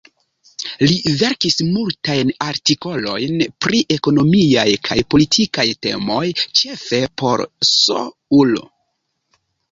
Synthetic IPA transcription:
live̞ɾkismultajnaɾtiko̞lo̞̰jnpɾiʔe̞ko̞nomiajkʰajpo̞litʰikajte̞̰mo̞jt͡ʃe̞fe̞po̞̰ɾso̰ | ulo̰

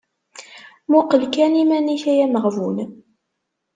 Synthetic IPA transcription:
mʊqəlkænimæniçæjæməʁvun

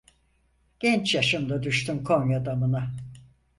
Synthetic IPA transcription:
ɟ̥ʲɛnt͡ʃjaʃɯmd̪ad̪yʃt̪ymkʰo̞mjad̪amɯna

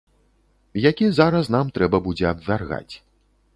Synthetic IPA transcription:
jakʲizaɾɐsnamt̪ɾɛbɐbud͡zʲɛɐbvʲarɣa̰t͡sʲ

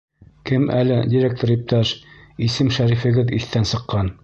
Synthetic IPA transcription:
kɘmælɘdʲiɾʲek̚t̪oɾip̚t̪ɑʃisɘmʃæɾifɘ̆ɡɘðiθt̪ænsɤ̆qːɑn

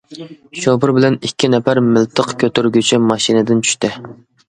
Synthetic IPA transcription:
ʃopɨɾbɪlɛnikʲʰːinɛpæɾmɪlt̪ʰəqkʲʰøt̪yɾɡʲyt͡ʃʰimɑʃinɪd̪ɪnt͡ʃʰy̥ʃt̪ɪ

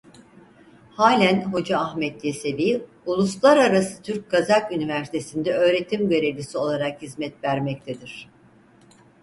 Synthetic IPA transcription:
haːlʲænɦo̞d͡ʒaːhmɛt̪̚jese̞viː | ulˠuslˠaɾaɾasɯ̥t̪ʰyɾc̚ɡazakynivæɾsi̥t̪ʰe̞sind̪ɛø̞ːɾe̞t̪ʰimɟø̞ɾe̞vlʲisio̞lˠaɾakhizmɛt̪væɾmɛc̚t̪ʰed̪iɾ̥

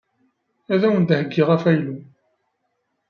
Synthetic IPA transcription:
æðæwənd̪həɡːɪʁæfæjlu

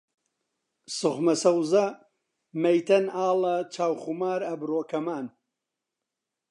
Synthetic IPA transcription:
sʊχmɐsɐwzɐ | mɐjt̪ɐnaːlɐt͡ʃʰaːwxumaːɾɐbroːkɐmaːn

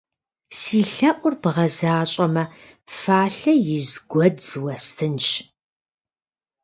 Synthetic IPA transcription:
siːɬɐʔʷʊrbɨʁɐzaːɕʼɐmɐ | faːɬɐjɪzɡʷɔd͡zd͡zwɐstʰɨnt͡ʃ

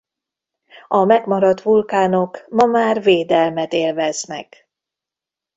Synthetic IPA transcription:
ɒmɛɡmɒɾɒt̪ʋulkaːno̞kmɒmaːrveːd̪ɛlmɛt̪eːlvɛznɛ̰k

